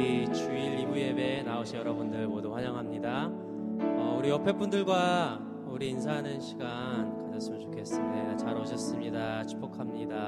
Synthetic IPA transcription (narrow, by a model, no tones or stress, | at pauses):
it͡ɕuiɾːibuje̞be̞naoɕʰijʌɾʌbundɯɭpodoɸwaɲʌŋɦamɲida | ʌuɾiʌpʰe̞p͈undɯɭɡwa | uɾiːnsʰaɦnɯnɕʰiɡa | nkanaɭs͈ɯmɯɭt͡ɕo̥kʰes͈ɯndet͡ɕaɾoɕ̬ʰʌs͈ɯmɲidat͡ɕʰu̥p͈ʰokʰamɲida